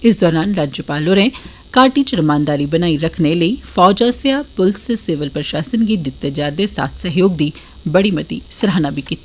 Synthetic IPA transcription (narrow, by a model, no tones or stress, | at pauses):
ɪs̬d̪ɔːɾaːnɾaːd͡ʒjəpaːloːɾẽː | kaːɾʈiːt͡ʃəɾəmaːnd̪aːɾiːbənaːiɾəkʰneləiːfʰɔːd͡ʒaːsjaːpʊlsseːʋəlpɾəʃaːsənɡiːd̪ɪt̪ːed͡ʒaːd̪eːsa̰ːt̪ʰsəɦjoːɡ̚d̪iː | bəɽiːmət̪ḭːsɾaːnaːbʱiːkit̪ːa